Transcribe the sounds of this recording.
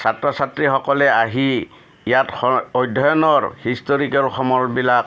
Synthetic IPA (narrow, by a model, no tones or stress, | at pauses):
satɹɔsatɹixɔkɔlɛaɦi | ijatɔojdʱːɔjɔnɔɹhistoɹikɔlxʰɔmɔɹbilak